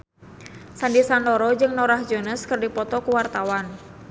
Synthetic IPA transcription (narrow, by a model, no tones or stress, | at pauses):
sandisandɔɾɔd͡ʒɨŋnɔɾahd͡ʒɔnəskɨrdipɔt̪ɔkuwart̪awan